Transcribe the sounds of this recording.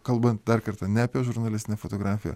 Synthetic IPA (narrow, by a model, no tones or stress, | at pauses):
kɐlˠbɐnt̪̚d̪ɐɾkɐɾt̪ɑnʲɛɐpʲiɛʒʊɾnɐlʲɪsʲt̪ʲɪnʲɛːfot̪oːɡɾɑːfʲɪjɛ̰